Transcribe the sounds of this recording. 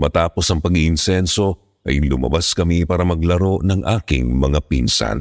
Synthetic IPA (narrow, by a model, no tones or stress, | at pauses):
mɐt̪aːpo̞sɐŋpɐɡiʔɪnsɛnso̞ | ʔɐjlʊmɐ̰baskɐmipaːɾɐmɐɡlɐɾo̞ʔnɐŋʔaːkɪ̰ŋmɐŋapḭnsɐ̰n